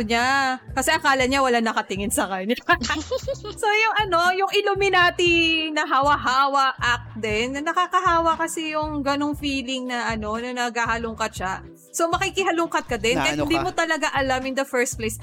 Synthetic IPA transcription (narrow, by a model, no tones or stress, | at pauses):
ɲakɐsɛʔɐkaːlɐɲawɐlanɐkɐt̪ɪŋɪnsɐkɐɲɐ | so̞jʊŋʔɐno̞jʊŋʔɪlʊmɪnaːt̪inɐɦawɐɦaːwɐʔɐk̚d̪ɛnɐːɐkaːkɐɦaːwɐkɐsɛjʊŋɡɐno̞ŋfiːlɪŋnɐʔɐno̞nɐnɐɡaːhɐlʊŋkɐt̪̚ʃa | so̞mɐkikɪɦɐlʊŋkɐt̪̚kɐd̪ɛnkɐjhɪnd̪iːmot̪ɐlɐɡaʔɐlamɪnd̪ɐfɛɹst̪̚plejs